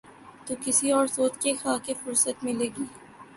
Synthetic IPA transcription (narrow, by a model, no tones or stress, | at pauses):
t̪oːkɪsiɔːɾsoːt̪kexaːkefʊɾsət̪mɪleːɡiː